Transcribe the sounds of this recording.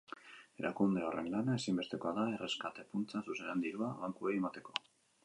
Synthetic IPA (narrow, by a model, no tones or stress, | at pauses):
e̞ɾʔa̰kund̪eo̞re̞̰nlanae̞simbe̞st̪e̞ko̞aðae̞re̞skat̪e̞punt͡sasusenand̪iɾuaβaŋkuejemat̪e̞ko̞